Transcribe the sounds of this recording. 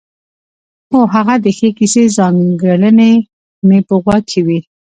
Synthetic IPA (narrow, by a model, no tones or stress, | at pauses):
oɦaɣad̪əxekisezɑŋɡələne | mepəɣwɑkʰiwi